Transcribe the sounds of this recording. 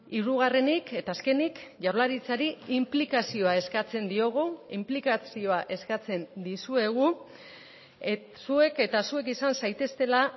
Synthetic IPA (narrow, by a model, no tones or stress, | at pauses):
iɾuɣare̞nike̞t̪aːske̞nikʝaɾlaɾit͡saɾiimplikasio̞ae̞skat͡se̞nd̪io̞ɣ̞uimplikat͡sio̞aʔe̞skat͡se̞nd̪isue̞ɣ̞u | sue̞ke̞t̪asue̞kisansajt̪e̞st̪e̞la